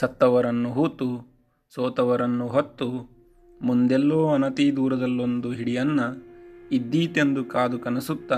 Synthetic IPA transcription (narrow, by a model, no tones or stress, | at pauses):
sɐt̪ːɐʋɐɾɐnːuɦuːt̪u | soːt̪ɐʋɐɾɐnːuɦot̪ːu | mund̪ɛlːoːɐnɐt̪iːd̪uːɾɐd̪ɐlːo̞nd̪uɦiɽijɐnːɐid̪ːiːt̪e̞nd̪ukaːd̪ukɐnɐsut̪ːa